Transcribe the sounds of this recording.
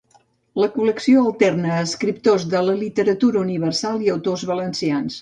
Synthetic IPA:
ləkuləksioəlˠt̪ɛrnəːskɾip̚t̪ozðələlit̪əɾət̪uɾəuniβərsalˠiəwt̪ozβələnsians

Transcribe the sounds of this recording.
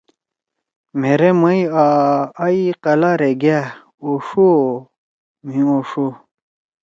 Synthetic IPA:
m̤eɾemɐiaː | iqɐlaɾeɡa | oʂo | m̤ĩoʂo

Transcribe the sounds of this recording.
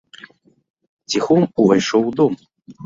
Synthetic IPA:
t͡sʲixɔmuvɐjʂɔwd̪ɔm

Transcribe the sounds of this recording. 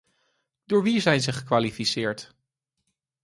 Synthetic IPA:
d̥ʊːɹʋizɛjnzəχəkʋaːlifisɪːɹt

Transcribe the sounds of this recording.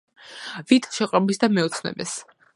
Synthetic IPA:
vit̪ʰʃɛqʼɾɔbisd̪amɛɔt̪sʰnɛ̰bɛs

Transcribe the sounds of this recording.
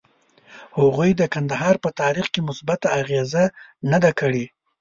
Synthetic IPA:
haɣujd̪əkand̪aɦɑɾpət̪ɑɾixkemʊsbat̪aːɣezanad̪akəɽe

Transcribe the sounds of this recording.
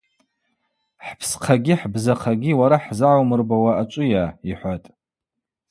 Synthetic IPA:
ħpʰsqʰaɡʲiħbzaqʰaɡʲiwaɾaħzaʕawmɨrbawaat͡ʃʷʼʊjaːiħʷatʼ

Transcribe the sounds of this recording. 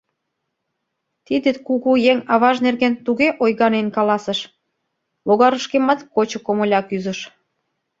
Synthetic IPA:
t̪id̪ĕkuɣujeŋɑβɑʒnerɣent̪uɣeʔojɣɑnenkɑlɑsə̆ʃ | βoɣɑɾəʃkemət̪kot͡ɕŏkomŏlʲɑkyzə̆ʃ

